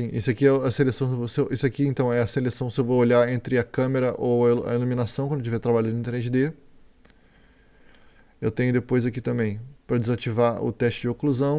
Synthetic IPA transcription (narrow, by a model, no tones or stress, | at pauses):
sĩʔḭsʊɪakiɛʊɐselesɐ̃w̃sevosewʔisʊakiẽnt̪ɐ̃w̃ɛɐselesɐ̃w̃sɪewvooʎaẽnt̪ɾɪɐkɐ̃meɾɐʔowɐɐ̰elomĩnasɐ̃w̃kɐ̃d̪ʊt͡ʃivɛt̪ɾabaʎʊnĩt̪eɾezɪd̪e | ewt̪ẽɲʊd̪epojzakit̪ɐ̃mbẽj̃pɾɐd͡ʒɪzat͡ʃivaɾʊ̰t̪ɛst͡ʃɪd͡ʒɪokluzɐ̃w̃